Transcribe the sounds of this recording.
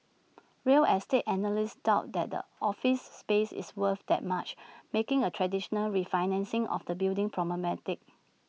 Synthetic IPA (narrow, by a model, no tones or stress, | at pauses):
ɹeəlʔɛstetɛnəlɪsd̥aʊt̚dɛ̰t̚də̰ɔfɪsːpesɪ̰swəθdɛ̰t̚mat͡ʃmekɪ̃ŋətʰɹɛdiʃənəlɹifaɪnɛ̃nsɪ̃ŋʔɔ̰fdəbildɪ̃ŋpʰɹɔməmɛtɪk̚